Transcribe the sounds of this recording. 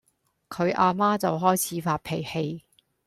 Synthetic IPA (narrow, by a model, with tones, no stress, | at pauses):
kʰɵ˨˧ɥʔaː˧maː˥t͡sɐ˨wɦɔː˥jt͡sʰiː˨˧faː˧t̚pʰe˨˩jhe˧j